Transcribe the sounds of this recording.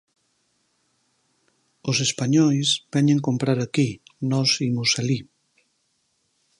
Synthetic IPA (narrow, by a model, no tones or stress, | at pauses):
osespaɲɔjsbɛɲẽŋkompɾaɾakinɔsimosali